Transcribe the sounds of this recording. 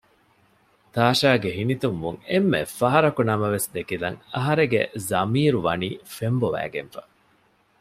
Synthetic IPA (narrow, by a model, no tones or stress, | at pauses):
t̪aːʃaːɡeɦinit̪umːuŋemːḛfɐɦɐɾɐkunɐmɐʋesd̪ekilɐ̰ŋɐɦɐɾeɡḛzɐmiːɾuʋɐniːfemboʋæ̰ːɡḛnfɐ̥